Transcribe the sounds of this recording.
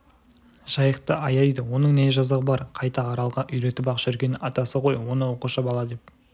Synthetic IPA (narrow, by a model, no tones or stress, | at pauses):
ʒ̥ɑjəqt̪əɑjɑjd̪əwo̞nəɴne̞ʒɑzɑʁəbɑɾqʰɑjt̪ɑːɾɑlˠʁɑʔʏjɾe̞t̪ɪpɑqʃʏɾɡʲe̞nɪɑt̪ɑsəqʰo̞jwo̞nəwo̞quʃɑbɑlˠɑd̪e̞p̚